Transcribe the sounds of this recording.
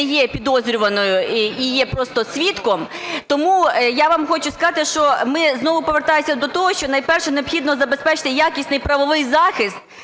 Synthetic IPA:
jɛpʲid̪ɔzʲɾʲʊʋɐnɔjʊijɛpɾɔst̪ɔsʲʋʲit̪kɔmt̪ɔmujaʋamxɔt͡ʃʊskɐzɑt̪ɪʃt͡ʃɔmɪznɔʋʊpɔʋert̪ɑjʊsʲɐd̪ɔt̪ɔɦɔʃt͡ʃɔnɐjpɛrʃɛneɔpxʲid̪nɔzɐbespɛt͡ʃɪ̥t̪ɪjakʲisʲnɪjpɾɐʋɔʋɪjzɑxɪst̪̚

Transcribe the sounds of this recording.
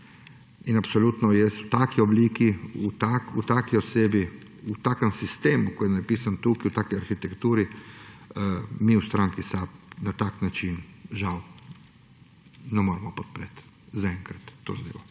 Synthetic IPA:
inapsolut̪nɔjɛsut̪aːkiobliːkiut̪akut̪akioseːbi | ut̪aːkomsist̪eːmukojɛnapiːsant̪ukiut̪aːkojaɾxit̪ɛkt̪uːɾi | miːust̪ɾaŋkisapnat̪aknat͡ʃinʒaw | nɛmoɾɛmɔpot̪̚pɾet̪ | zaɛŋkɾat̪ːozd̪ḭʋo

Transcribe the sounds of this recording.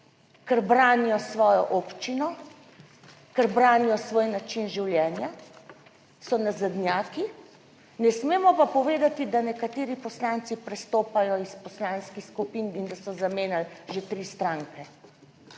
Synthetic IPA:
kɛɾbɾaːnijɔsʋɔːjɔ̰ʔopt͡ʃinɔ | kəɾbɾaːnijɔsʋoːjnat͡ʃinʒiwljɛːnja | sɔnazad̪nʲjaːki | nɛsmeːmɔpapɔʋeːd̪at̪id̪anɛkat̪eːɾipɔslant̪sipɾɛst̪oːpajɔispɔslaːnskixskupiːnind̪asɔzameːnalʒet̪ɾiːst̪ɾaːŋkɛ

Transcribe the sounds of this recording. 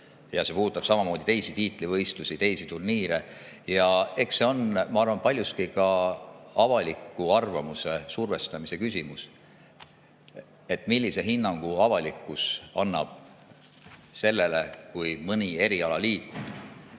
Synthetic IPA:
jɑsepuːd̪ut̪ːˑɑb̥sɑmɑmo̞ːd̪̥it̪e̞jsit̪iːt̪ˑlivɤ̞jst̪lusit̪e̞jsit̪urniːɾejɑe̞kseo̞nmɑɑrvɑnpɑlʲjust̪kikɑ | ɑvɑlikːˑuɑrvɑmusesurve̞st̪ɑmise̞kysʲimus | e̞t̪ːˑmilːise̞ɦinːɑŋɡ̥uɑvɑlikːˑusɑnːɑ̰b̥̚ | se̞lːe̞le̞kujmɤnʲie̞ɾiɑlɑliːt̪ˑ

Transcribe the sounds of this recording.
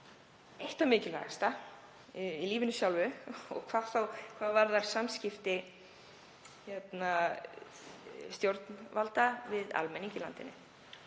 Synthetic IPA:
ejht̪amɪːcɪlvɛ̰ɣast̪a | iliːvɪnʏsjawlvʏɔ̰ɣkʰv̥aːθawkʰvaːðvaɾðaɾ̥samscɪft̪ɪ | çɛt̪na | st̪jowɾt̪nvalt̪avɪða̰lmɛnːiɲcɪlant̪ɪnːɪ

